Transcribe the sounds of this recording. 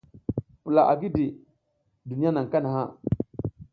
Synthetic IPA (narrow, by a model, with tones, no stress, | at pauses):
pu˨la˨ʔa˨ɡi˦di˨ | du˨ni˦ja˦na˨ŋ˨ka˦na˨ɦa˦